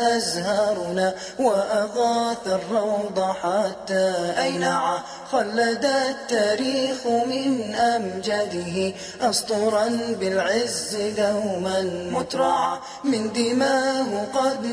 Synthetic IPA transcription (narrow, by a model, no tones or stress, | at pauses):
ʔazhɑɑɾˤnaː | waʔɑɣɑːθarˤːɑwd̪ˤɑħat̪ːaːʔajnaʕa | xɑlːad̪at̪ːaːɾiːxmɪnʔamd͡ʒad̪ɪɦɪ | ʔɑst̪ʊɾˤɑnbɪlʕɪzːjawmanmʊt̪ɾˤɑʕa | mɪnd̪ɪmaːhʊqɑd̪